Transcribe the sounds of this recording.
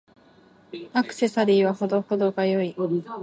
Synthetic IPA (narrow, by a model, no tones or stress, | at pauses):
akɯ̟̥se̞saɾʲiːβaho̞d̪o̞ho̞d̪o̞ɡajo̞i